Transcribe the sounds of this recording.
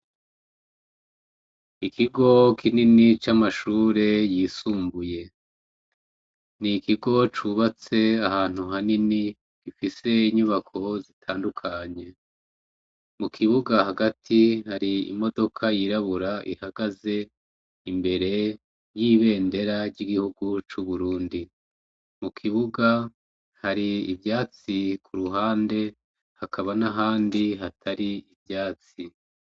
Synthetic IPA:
ikiɡo̞kʰininit͡ʃamaʃuːɾe̞jiːsuːmbuje̞ | nikiɡo̞t͡ʃuβat͡se̞ahaːn̥huɦanini | ɡ̥ifise̞iɲuβakʰo̞zitʰaːndukʰaɲe̞ | mukʰiβuɡahaɡatʰihaɾiḭmo̞do̞kʰajiɾaβuɾaʔḭhaɡaze̞ | imbe̞ɾe̞ | jiːβe̞ːnde̞ɾaɾɟiɡihuɡut͡ʃuβuɾuːndi | mukʰiβuɡa | haɾiivjaːt͡sikʰuɾuɦaːnde̞ | hakʰaβanaɦaːndiɦatʰaɾiibjaːt͡si

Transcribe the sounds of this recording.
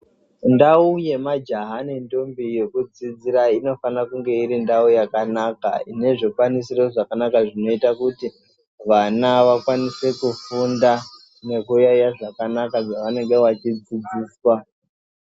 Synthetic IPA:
ndauje̞mad͡ʒaɦane̞ndo̞mbije̞kud͡zid͡ziɾaino̞fanakuŋɡe̞iɾindaujakanaka̰ine̞ʐikwanisiro̞ʐakanakaʐino̞itakuti | ʋanaʋakwanise̞kufunda | ne̞kujajaʐakanakaʐaʋane̞ŋɡe̞ʋat͡ʃid͡zid͡ziːswa

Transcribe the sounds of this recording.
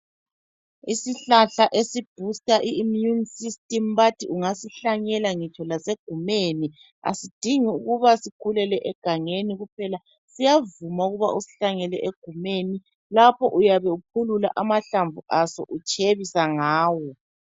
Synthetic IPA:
isiɬaɬaʔesib̥ʱustʼaʔiːmjunsistʼɛmβatʰiʔuŋasiɬaɲɛlaŋit͡ʃʰɔlaseɡ̥ʱumeni | a̰sid̥ʱiŋiuɣuβasikʰulɛlɛʔɛɡ̥ʱaŋeniɣup̚ʰɛla | sijavumauɣuβa̰ʔusi̥ɬaŋɛlɛʔeɡ̥ʱumeni | lapʰɔʔujaβɛukʰulula̰ʔamaɬaɱvuʔasɔ̰ʔut͡ʃʰʼeβisaŋaːwɔ

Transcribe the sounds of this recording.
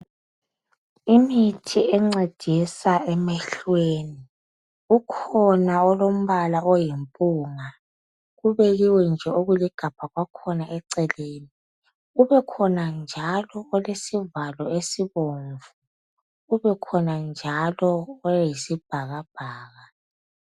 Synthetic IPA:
imitʰiʔɛŋ͡ǀed̥ʱisaɛmɛɬweːni | ukʰɔnaɔlom̩βalaɔjimpʼuːŋa | ɣuβɛɣiwɛnd͡ʒʱɛoɣuliɡ̥ʱapʰaɣwakʰɔnaʔɛǀɛleːni | ɣuβɛkʰɔnand͡ʒʱalɔɔlesivalɔesiβoɱvu | ɣuβɛkʰɔnand͡ʒʱalɔːjisib̥ʱaɣab̥ʱaːɣa

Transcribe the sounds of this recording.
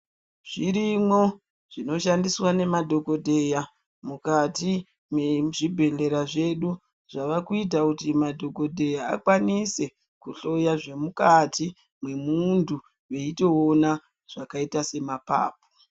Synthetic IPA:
ʐ̥iɾimwo̞ | ʐ̥ino̞ʃandiswane̞madʱo̞ko̞dʱeja | mukati | mweʐibʱe̞ɮe̞ɾaʐe̞ɗu | ʐaʋakuit̬akutimadʱo̞ko̞dʱe̞jaa̰kwanise̞ | kuɬo̞jaʐe̞mukati | mwe̞mundʰʱu | we̞ito̞ona | ʐ̥akaitase̞mapa̰ːp̚o̥

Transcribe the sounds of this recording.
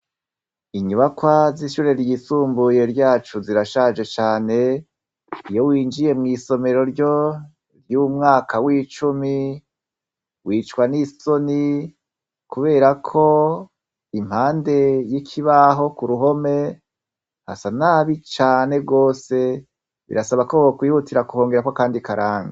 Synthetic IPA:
iɲuβakwaziʃuɾe̞ɾjisuːmbuje̞ɾɟaːt͡ʃuziɾaʃad͡ʒe̞t͡ʃaːne̞ | ijowiːnd͡ʒije̞mŋiːso̞me̞ɾo̞ɾɟo̞ | ɾjuːmŋaːkʰawiːt͡ʃumi | wiːt͡ʃkwaniso̞ni | kuβe̞ːɾakʰo̞ | im̥haːnde̞jikʰiβaɦo̞kuɾuɦo̞me̞ | ha̰sanaβit͡ʃaːne̞ɡo̞ːse̞ | βḭɾʔasaβakookwiːhutiɾakuho̞ːŋɡe̞ɾakwakaːndikaɾaːŋɡa

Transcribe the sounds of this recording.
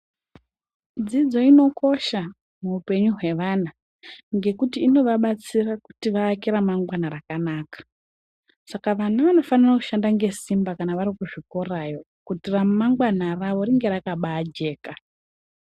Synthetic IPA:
d͡zid͡zo̞ino̞ko̞ʃa | muupe̞ɲuɦwe̞ʋana | ŋɡe̞kutiːno̞ʋaɓat͡siraku̥tiʋaːkiɾamaŋɡwanaɾakanaːkḁ | sakaʋanaʋano̞faniraku̥ʃandaŋɡe̞simbakanaʋaɾikuʐiko̞rajo̞ | kutiramaŋɡwanaraʋo̞riŋɡe̞ɾakaɓaːd͡ʒe̞ːka

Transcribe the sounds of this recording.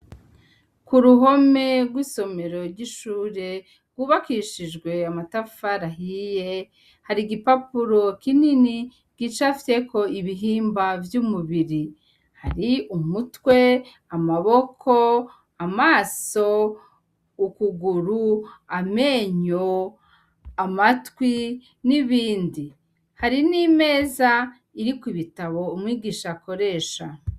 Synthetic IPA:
kuɾuɦo̞me̞ɾɡwiso̞me̞ɾo̞ɾɟiʃuːɾe̞ | ɡwuːβakiʃiʒɡwe̞amatafaɾaɦije | haɾiɡipapuɾo̞kinini | ɡ̥it͡ʃafi̥te̞kʰo̞iβiɦiːmbavjumuβiɾi | haɾiumutwe̞ | amaβo̞kʰo̞ | amaːso̞ | ukuɡuɾuame̞ːɲo | amatwi | niβiːndi | haɾinime̞ːza | iɾikiβitaβo̞umwiːɡiːʃako̞ɾe̞ːʃa

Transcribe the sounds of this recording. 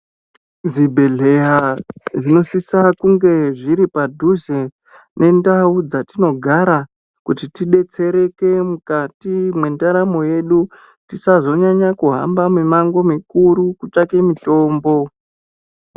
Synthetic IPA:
zibʱe̞ɮe̞jaʐino̞sisakuŋɡe̞ʐiɾipadʱuze | nʔe̞ndaud͡zatino̞ɡʱaɾa | kutitiɗe̞t͡se̞ɾe̞ke̞mukatimwe̞ndaɾamo̞je̞ɗu | tisazo̞ɲaɲakuɦa̰mbamimaŋɡo̞mikuɾukut͡ʂake̞miɬo̞ːmbo̞

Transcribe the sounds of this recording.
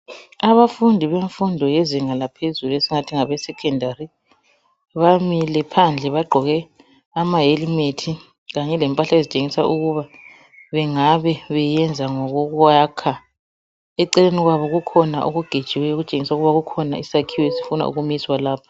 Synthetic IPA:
aβafundʱiβeɱfundʱɔjɛziŋalapʰezuluesiŋatʰiŋaβɛsɛkʰɛndʱaɾi | βamilɛpʰand͡ɮʱɛβaɡ͡ǃʱɔɣɛ | amaɦelimetʰi | ɣaɲɛlɛmpʼaɬaezit͡ʃʼeŋisa̰ʔuɣuβa | βɛŋaβɛβɛjɛnd͡zʱaŋɔɣuɣwakʰa | ɛǀɛleniɣwaβɔɣukʰɔnaʔoɣuɡ̥ʱed̥t͡ʃʼiwɛjoɣut͡ʃʼeŋisauɣuβaɣukʰɔna̰isakʰiwɔesi̥funa̰ṵɣumiswalaːpʰḁ

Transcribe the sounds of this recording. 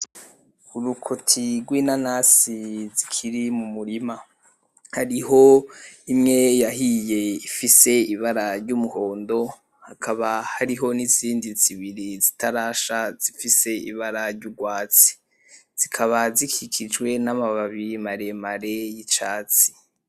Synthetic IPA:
uɾukʰotʰiɾɡwinanasizikʰiɾimumuɾima | haɾiɦo̞imŋe̞jaɦije̞ifise̞iβaɾaɾɟumuhoːndo̞ | hakʰaβahaɾiɦo̞niziːndiziβiɾizitʰaɾaːʃaz̥ifise̞ḭβaɾaɾɟuɡwaːt͡si̥ | z̥ikʰaβazikʰikʰid͡ʒwe̞namaβaβimaɾe̞maɾejit͡ʃaːt͡si̥

